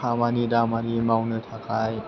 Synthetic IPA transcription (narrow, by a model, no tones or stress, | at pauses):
amanidamanimawnɯt̪ʰakaj